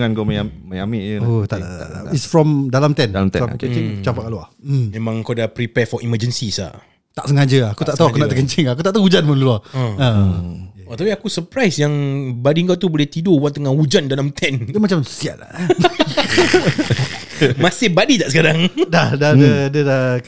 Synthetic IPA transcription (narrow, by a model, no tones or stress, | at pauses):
ŋanɡoməjaməjamɪʔəot̪aa̰a̰isfɹɔmdalamt̪ɛnalamt̪ɛ̰sa̰kek̪iŋt͡ʃampaʔkaloahmẽmãŋkadapɾipɛfɔʔiməd͡ʒənsisa̰ | t̪aʔsəŋad͡ʒəakut̪aʔt̪auakunaʔt̪əkəɲt͡ʃɪŋaakut̪aʔ̚t̪auud͡ʒanmanluaəə | ot̪apiakusəpɾajsjaŋbadiŋkawt̪uboleht̪idobwat̪əŋaud͡ʒandalamt̪ʰɛndəmat͡ʃamso̥sia̰l | mãsɪhbadit̪aʔsəkaɾaŋdahdaəadəda